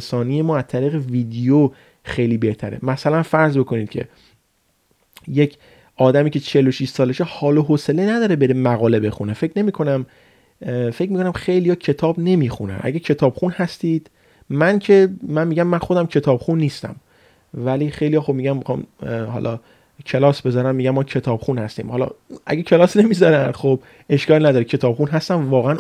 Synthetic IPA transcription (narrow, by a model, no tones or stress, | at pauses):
sɒːnijemɒːæzt̪ʰæɾiːɣeviːd̪ijo | xejliːbe̞ht̪ʰæɾḛmæsælænfæɾzbe̞kʰo̞niːd̪̥̚cʰe̞̰ | jecʰ | ʔɒːd̪æmiːcʰe̞t͡ʃʰe̞lːoʃiʃsɒːleʃehɒːloɦoselenæd̪ɒːɾebe̞ɾemæɣɒːle̞be̞xunefecʰne̞miːkʰo̞næm | fe̞cmikʰonæmxejlijɒːcʰe̞t̪ʰɒːbne̞miːxunæ̰mʔæ̰ɟæcʰe̞t̪ʰɒːbxunhæst̪iːd̪̥ | mæncʰe̞mænmiːɟæmːænxod̪æmcʰe̞t̪ʰɒːb̥xunːiːst̪æ̰m | væliːxe̞jlijɒːxo̞bmiːɟæmmixɑ̰ːmhɒ̰lʔɒː | cʰe̞lɒːsbe̞zɒːɾæmmiːɟæmːɒːcʰe̞t̪ʰɒːb̥xuːnhæst̪ḭːmhɒlɒ̰ʔæ̰ɡecʰe̞lɒːsne̞miːzɒɾænxob̚ | e̞ʃkɒːlnæd̪ɒːɾicʰe̞t̪ʰɒːb̥χuːnɦæst̪æmvɒːɣeæn